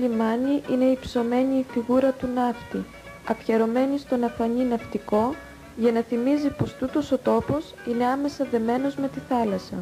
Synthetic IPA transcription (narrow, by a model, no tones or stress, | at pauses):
imɐniʔine̞ipso̞me̞ɲiːfiɣuɾɐt̪unɐft̪i | ɐfçeɾo̞me̞nist̪o̞nɐfɐɲinɐft̪iko̞ | ʝɐnɐθimizipo̞st̪ut̪o̞so̞t̪o̞po̞sine̞ɐme̞sɐðe̞me̞no̞zme̞t̪iθɐlɐsɐ̰